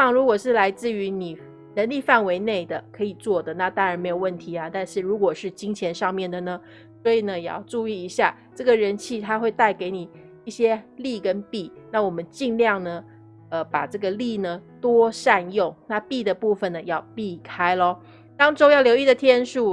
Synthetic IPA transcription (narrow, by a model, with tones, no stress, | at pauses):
ɑ˨˩ŋɻu˧˥kwɔ˨˩ʂɻ̩˥˩la˧˥ɪt͡sɹ̩˥˩y˧˥ni˨˩ | nə˧˥nli˥˧fa˥˩nwe˧˥ɪne˥˩ɪd̪ə˩kʰɤ˧˥i˨˩t͡swɔ˥˩d̪ə˩na˥˧˩t̪ɑ˥ŋɻa˨˧˥nme˧˥o˨˩ʊwə˥˩nt̪ʰi˧˥a˧t̪a˥˧nʂɻ̩˥˩ɻu˧˥kwɔ˨˩ʂɻ̩˥˩t͡ɕi˥ŋt͡ɕʰjɛ˧˥nʂɑ˥˧ŋmjɛ˥˩nd̪ə˩nə˩ | swɔ˧˥i˨˩nə˦jɛ˨˩jɑ̰˥˧ʊʈ͡ʂu˥˧i˥˩i˧˥ɕja˥˩ | ʈ͡ʂɤ˥˩ɡə˩ɻə˧˥nt͡ɕʰi˥˩t̪ʰa˥xwe˥˧ɪt̪a˥˩ɪke˧˥ɪni˨˩ | i˥˩ɕjɛ˥li˥˧kə˥npi˥˩na˥˩wɔ˨˩mə˦nt͡ɕi˥˧nljɑ˥˩ŋnə˩ | ə˧pa˨˩ʈ͡ʂɤ˥˩ɡə˨li˥˩nə˩t̪wɔ˥ʂa˥˧njʊ˥˩ŋna˥˧pi˥˩d̪ə˩pu˥˩fə˨˩nə˩jɑ˥˩˧ʊpi˥˩kʰa˥ɪlɔ˧˩ | t̪ɑ˥ŋʈ͡ʂo˥jɑ˥˩ʊljo˧˥i˥˩d̪ə˩t̪ʰjɛ˥nʂu˥˩